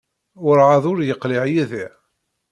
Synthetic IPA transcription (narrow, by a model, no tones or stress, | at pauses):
ʊɾʕɑðˤʊɾjəqːliʕjæði